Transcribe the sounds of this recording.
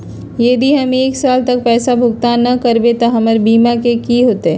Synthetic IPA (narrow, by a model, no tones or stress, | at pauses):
jeːd̪ʱiɦɐmeːksaːlt̪ɐk̚pɛːsabʱʊɡt̪aːnːɐkɐɾbet̪aɦɐməɾbiːmakekiɦoːt̪eɦɛː